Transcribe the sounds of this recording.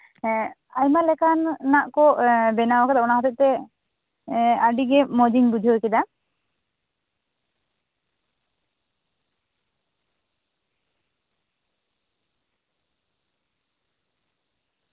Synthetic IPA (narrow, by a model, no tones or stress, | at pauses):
ajmalɛkanːaʔkɔʔbɛnawɔkad̪aɔnaɦɔt̪ɔt̚t̪ɛ | aɖiɡɛmɔd͡ʒiŋbud͡ʒʱiɦojkɛd̪a